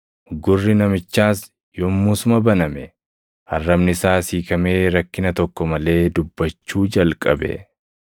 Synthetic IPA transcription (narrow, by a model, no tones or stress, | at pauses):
ɡʊrːɪnɐmɪt͡ʃːaːs | jɔmːuːsʊmɐbɐnɐmɛ | hɐrːɐmnɪsaːsiːkɐme̞ːɾɐkːɪnɐt̪ɔkːɔmɐle̞ːd̪ʊbːɐt͡ʃːuːd͡ʒɐlkʼɐbɛ̰